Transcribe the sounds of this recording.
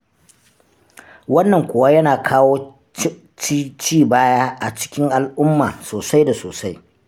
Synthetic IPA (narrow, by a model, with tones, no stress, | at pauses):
wɐ˦nːɐ˨ŋkʷʊː˨wa˦jɐ˦naː˨kʰaː˦woː˦ | t͡ʃi˦t͡ʃiː˦˨baː˦jaː˦ʔa˨t͡ʃɪ̥˦kʲɪ˦ŋʔa˨lʔʊ˦mːaː˨soː˨sa˦jda˨soː˨sa˦j